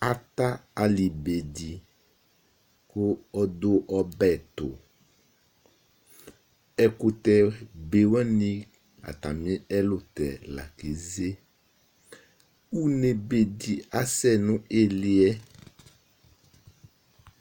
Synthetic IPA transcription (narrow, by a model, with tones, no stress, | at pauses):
a˨t̪a˦a˨li˨be˨di˨ | kʊ˦ɔ˦d̪ʊ˦ʔɔ˨bɛ˨t̪ʊ̰˨ | ɛ˦kʊ˦t̪ɛ˨be˨wɛ̃˦nĩ˦ | a̰˨t̪a̰˨mĩ˦ɛ˦lʊ˦t̪ɛ̰˨la̰˨ke˨˦ze˦ | u˦ne˨be˨di˨a˦sɛ˦nʊ̃˦ʔe˦lɪ˦ɛ˦